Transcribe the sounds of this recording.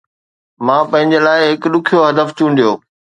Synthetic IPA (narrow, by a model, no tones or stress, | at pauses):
mãːpɐ̃ɦɪ̃ɲd͡ʑeːlaːɪɦɪkɗʊkʰijoɦɐd̪əft͡ɕũːnd̪ijoː